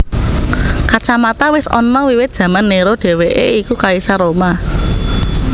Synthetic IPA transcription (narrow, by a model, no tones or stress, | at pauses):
kat͡ʃamat̪awɪsɔ̰nːɔwiwɪt̪̚ʒ̥ä̤manːeɾoɖ̥e̤weʔḛikukaisaɾoma